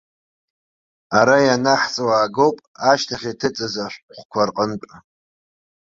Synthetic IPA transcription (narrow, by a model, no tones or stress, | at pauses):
aɾajanaħt͡sʼawaːɡo̞wpʼaʃtʰaχʲitʰɨt͡sʼazaʃʷqʷkʷʰarqʼənpʼ